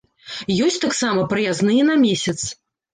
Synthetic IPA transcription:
jɔsʲt̪aksamɐpɾɨjaznɨjɛnɐmʲesʲɐt̪s

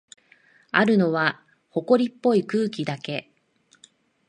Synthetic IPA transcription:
aɾɯ̟no̞βa | ho̞ko̞ɾʲipːo̞ikɯ̟ːkʲid̪ake̞

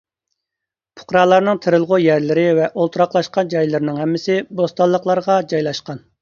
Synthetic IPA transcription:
pʰʊ̥qɾɑːlˠɑɾnɨŋt̪ʰɪɾɪlˠʁʊjæɾlɪɾɪvɛʔolˠt̪ʰɾɑqlˠɑʃqɑnd͡ʒɑjlɪɾɪnɪŋhɛmːɪsɪbost̪ɑlˠːəqlˠɑɾʁɑd͡ʒɑjlˠɑʃqɑn

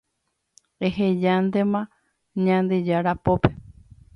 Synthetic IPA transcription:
eɦed͡ʒand̪emã | ɲãnd̪ed͡ʒaɾapope

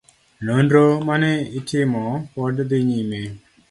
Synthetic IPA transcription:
nondɾomanɛitʰɪmɔpɔɖd̪ɪɲime

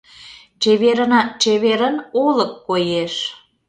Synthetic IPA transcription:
t͡ɕeβeɾənɑt͡ɕeβeɾənoləkːojeʃ

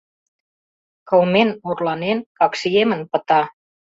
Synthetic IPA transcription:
kəwmenurlɑnenkɑksiemənpə̆t̪ɑ

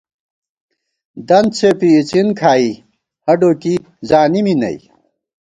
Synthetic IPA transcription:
d̪ɐnt͡sʰepiːt͡sinkʰaːi | hɐɖoːki | zaːniminɐ̰j

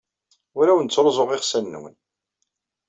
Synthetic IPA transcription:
ʊɾæwənt͡sːoɾˤzˤoʁɪχsæn̰ːwə̰n

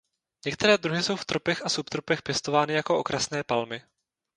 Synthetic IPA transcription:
ɲɛk̚t̪ɛɾɛːd̪ɾuɦɪso̞wft̪ɾopɛxasupt̪ɾopɛxpjɛst̪ovaːnɪjako̞ʔo̞kɾʔasnɛːpalmɪ

